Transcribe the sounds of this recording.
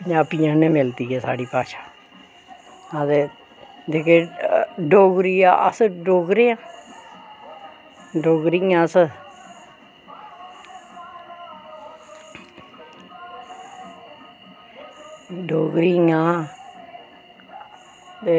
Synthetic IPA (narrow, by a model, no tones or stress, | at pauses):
ɲaːpijãːnẽːmɪlt̪iːɛːsa̰ːɖiːpaːʃaː | ãt̪eː | d̪eːkeːɖoːɡɾiːa̰ə̰sɖoːɡɾeːãː | ɖoːɡɾiːãːs | ɖoːɡɾijãː | t̪e